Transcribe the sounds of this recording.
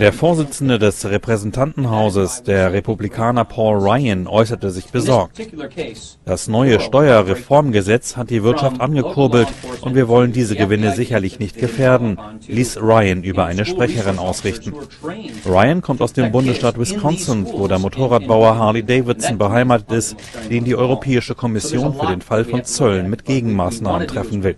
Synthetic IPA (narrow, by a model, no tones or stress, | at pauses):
d̥eːɐfoːɐzɪt͡sn̩dədɛsʁepʁ̥ɛzɛntʰantn̩ɦaʊzəsd̥eːɐʁepublikʰaːnɐpʰɔːlʁaɪənʔɔʏsɐtəzɪçb̥əzɔɐk̚t | d̥asnɔʏəʃtɔʏɐʁefɔɐmɡəzɛt͡shat̚d̥iːvɪɐtʃaftʔanɡəkʰʊɐbl̩tʔʊntv̥iːɐvɔləndiːzəɡəvɪnəzɪçɐlɪçnɪçt̚ɡ̥əfeːɐdn̩liːsʁaɪənʔyːbɐʔaɪnəʃpʁ̥ɛçəʁ̞ɪnʔaʊsʁɪçtn̩ | ʁaɪənkʰɔmtaʊsd̥eːmbʊndəsʃtaːtwɪskʰɔnsəntvoːdeːɐmotʰoːʁ̞aːt̚b̥aʊɐɦaːlideɪvɪtsn̩bəɦaɪmaːtətɪst | d̥eːndiːʔɔʏʁopʰɛːɪʃəkʰɔmɪsjoːnfyːɐdeːnfalfɔnt͡sœlənmɪtɡ̥eːɡŋ̩maːsnaːməntʁ̥ɛfn̩vɪl